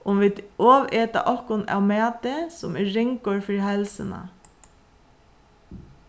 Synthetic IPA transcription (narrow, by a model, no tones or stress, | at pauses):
ʔʊmʋɪːd̪oːʋeːt̪a̰ʔɔhkʊna̰wmɛːt̪ɪsʊmɛːɪŋkɔɹfɪɾhɛlsəna̰